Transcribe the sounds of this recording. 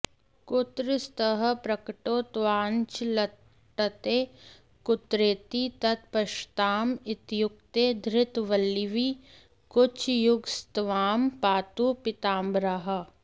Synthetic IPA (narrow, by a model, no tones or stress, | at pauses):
kʊt̪ɾɪst̪əɦə̆pɾɐkʈoːt̪ʋaːnt͡ʃlɐ | ʈːət̪eː | kʊt̪ɾeːt̪it̪ɐt̪pɐʃt̪aːmɪt̪jʊk̚t̪eːd̪ʱɾɪt̪ʋɐlːiʋiː | kʊt͡ʃʰjʊɡst̪ʋaːmpaːt̪upɪt̪aːmbɾəɦɐ